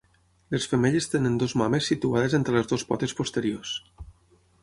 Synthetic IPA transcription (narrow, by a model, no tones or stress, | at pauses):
lesfəmeʎest̪enənd̪ozmamesːit̪uað̞ezent̪ɾelezðospɔ̰t̪espost̪eɾios